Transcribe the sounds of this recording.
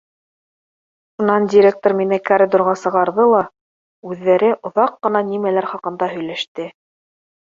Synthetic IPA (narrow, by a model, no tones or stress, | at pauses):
ʃunɑndʲɪɾʲek̚t̪oɾminɘkaɾʲɪd̪ŏɾʁɑsɤ̆ʁɑɾðɤlˠɑ | ʉðːæɾɘʔŏðɑqːɤ̆nɑnimælæɾχɑqɤ̆nd̪ɑɦɵ̆jlæʃt̪ɘ